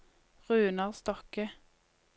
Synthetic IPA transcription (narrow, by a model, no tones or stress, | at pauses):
ʁʉːnɑʁst̪ɔkə